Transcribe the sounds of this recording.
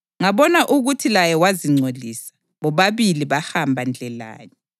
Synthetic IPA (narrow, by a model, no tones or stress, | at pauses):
ŋaβɔnaʔuɣutʰilajɛwaziŋ͡ǀʱodʱiːsḁ | βɔβaβiliβahambʱand͡ɮʱɛla̰ːnɛ